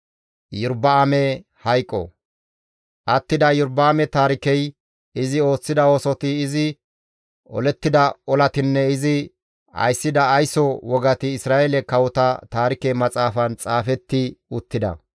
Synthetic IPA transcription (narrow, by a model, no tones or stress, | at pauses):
jʊɾbɐːmɛ | hɐjkʼːɔ̰ | ʔɐt̪ːɪd̪ɐjʊɾbaːmɛt̪aːɾɪkɛj | ɪzɪo̞ːt͡sːɪd̪ɐoːsɔt̪ɪːzɪ | ɔ̰lɛt̪ːɪd̪ɐɔlɐt̪ɪnːɛɪzɪ | ɐ̰jsːɪd̪ɐːjsɔwɔɡɐt̪ɪːsɾaːelɛkɐwɔt̪ɐt̪aːɾɪkɛmɐt͡sʼaːfɐnt͡sʼaːfɛt̪ːɪʊt̪ːɪd̪ɐ̰